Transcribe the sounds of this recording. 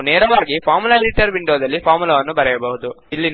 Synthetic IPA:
neːɾɐʋaːɡipaːɾmulɐeɖiʈɐɾʋiɳɖoːd̪ɐlːipʰaːɾmulɐʋɐnːubɐɾɛjɐbɐɦud̪u | ilːin

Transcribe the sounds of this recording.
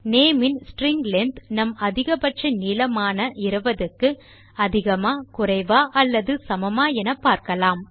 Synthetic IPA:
neːmɪnsʈɾɪŋɡlɛnd̪nɐmɐðɪɣɐpɐʈt͡ʃɐniːlɐmaːnɐʔɪɾɯʋɐðɯkːɯ | ɐðɪɣɐmaːkʊrɐɪʋaːʔɐlːɐðɯsɐmɐmaːɛnɐpːaːɾkɐlaːm

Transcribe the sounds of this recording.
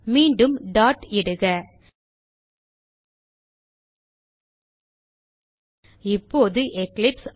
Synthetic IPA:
miːɳɖɯmɖaːʈɪɽɯɣɐ | ɪpːoːðɯʔɛklɪps

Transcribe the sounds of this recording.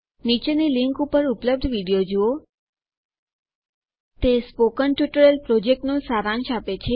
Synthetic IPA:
nit͡ʃeniliŋkupəɾupləb̚d̪ʱʋiɽijod͡ʒuo | t̪espokənʈjuʈəɾelpɾod͡ʒek̚ʈnõsaɾãnʃapet͡ʃʰe

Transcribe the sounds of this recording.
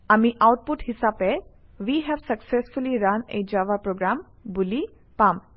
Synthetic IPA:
amiʔawʈ̚puʈhisapɛwiɦɛvsəksɛsfuliɹãnḛjd͡ʒawapɹoɡɹam | buli | pãm

